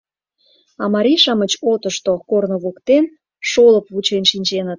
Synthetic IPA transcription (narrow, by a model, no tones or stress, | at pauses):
ɑmɑɾʲiʃɑmət͡ɕot̪əʃt̪okornoβokt̪en | ʃoləpβut͡ɕenʃinʲt͡ɕenət̪̚